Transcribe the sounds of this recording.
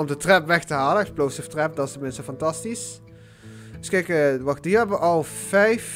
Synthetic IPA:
ɔmdətrɛpʋɛxtəɦaːləəplowsəftrɛp̚dɑstəmɪnstəfɑntɑstis | dəskɛjkəʋɑxdiɹɛbəʔɑlˠvɛjf

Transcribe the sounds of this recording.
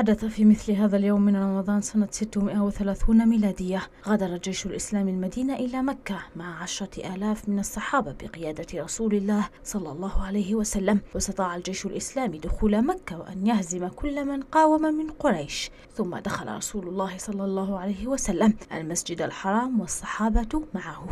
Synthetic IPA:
ħad̪aθafiːmɪθlɪɦaːðaljawmːɪnɾˤɑmɑðˤɑːnsanat̪sɪt̪ːʊmɪʔawɪθalaːθuːnamiːlaːd̪ɪjːa | ɣad̪ɑɾˤɑld͡ʒajʃalʔɪslaːmalmad̪iːnaʔɪlaːmakːamaʕʕaʃɾˤɑʔaːlaːfmɪnɑsˤːɑħɑːbabɪqɪjaːd̪aɾˤɑsuːlɪlːaːhsˤɑlːɑlˤːɑːhʊʕalajhɪwasalːamwɑst̪ɑt̪ˤɑːʕald͡ʒajʃʊlʔɪslaːmid̪ʊxuːlamakːawʔa̰njahzɪmakʊlːmanqɑːwɪmamɪnqʊɾˤɑjʃ | θʊmːa̰d̪axa̰la̰ɾˤɑ̰suːlʊlˤːɑːhɪsˤɑlːɑlˤːɑːɦʊʕalajhɪwasalːamʔa̰lmasd͡ʒɪd̪alħɑɾˤɑːmwɑsˤːɑħɑːbɑmaʕahʊ

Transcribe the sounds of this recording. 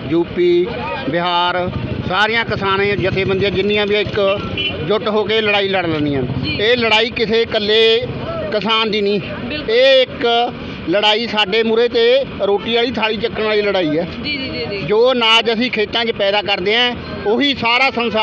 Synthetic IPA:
d͡ʒuːpiː | bɪɦaːɾsaːɾɪjãːkəsaːnẽːd͡ʒɪt̪ʰeːbənd̪ijãːd͡ʒɪnːiːjãːbiãːɪk | d͡ʒʊʈɦoːkeːləɽaːiːləɽlənd̪iːãːeːləɽaːiːkɪseːkəlːeːkəsaːnd̪iːnĩː | eːɪk | ləɽaːiːsaːɖeːmʊɾeːt̪eːɾoːʈiːaːliːt̪ʰaːɽiːt͡ʃəkːənaːɭiːləɽaːiːɛː | d͡ʒoːnaːd͡ʒəsĩːkʰeːt̪ãːkeːpɛːd̪aːkəɾd̪eːɛ̃ː | ʊɦiːsaːɾaːsənsa

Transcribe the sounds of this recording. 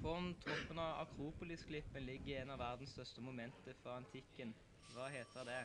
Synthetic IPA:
fɔʁnt̪ʰɔpːənɑʋɑ̰kʰʁuːpʊlɪsklɪpːənlɪɡːəeːnɑʋæʁd̪n̩st̪œst̪əmʊmɛnt̪əfɾɑɑnt̪ʰɪkːən | ʋɑːheːt̪əəd̪ɛ

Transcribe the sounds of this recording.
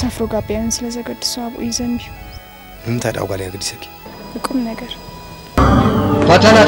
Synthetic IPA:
səfɾoɡabːjanɨnsɨləzəɡəd̪ːɨ̥suaβʔṵjzəmbihu | ɨmɨt̪ʰajd̪a̰wɡaljaɡɨd̪isekːe̥ɨkʼːɨmnəɡəɾ | kʷat̪ʰana

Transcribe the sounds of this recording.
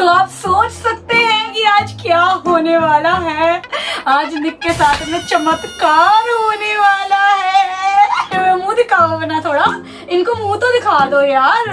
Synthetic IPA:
t̪oaːpsoːt͡ʃsɐk̚t̪eɦɛ̃kiaːd͡ʒkjaːɦoːneʋaːlaɦɛːaːd͡ʒnɪkːesaːt̪ʰmẽt͡ʃɐmət̪kaːɾɦoːneʋaːlaɦɛː | ɛ̃mũːd̪ɪkʰaːokɐnat̪ʰoːɽa | ɪnkomũt̪od̪ɪkʰaːd̪ojaːɾ

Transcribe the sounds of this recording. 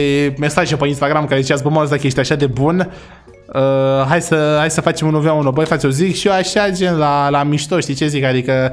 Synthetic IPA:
eme̞saʒepəinst̪aɡɾamkaɾezit͡ʃas̬bomaosd̪ake̞st̪ijaʃad̪e̞bun | əɦajsəhajsəfat͡ʃe̞munovaunobojfat̪sʲozikʃioaʃad͡ʒenlalamiʃt̪o̞ʃt̪it͡ʃe̞zikad̪ikə

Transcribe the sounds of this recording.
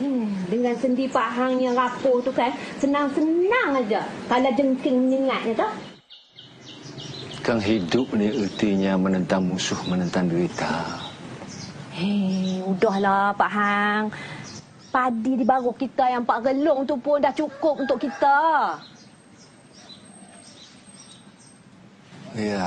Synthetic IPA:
dəŋansəndiipaɦaŋɲaɾapʊt̪ukansənaŋsənaŋad͡ʒakalad͡ʒəŋkɪŋməɲəŋat̪̚ɲat̪ɔh | kaŋɦidʊp̚niət̪iɲamənənt̪aŋmusʊhmənənt̪aŋduit̪a | eudɔhlapaʔɦaŋ | padidibaɣʊhkit̪ajaŋmpaʔɡəlʊʔunt̪uʔpʊndaht͡ʃukʊp̚unt̪ʊʔkit̪a | ja

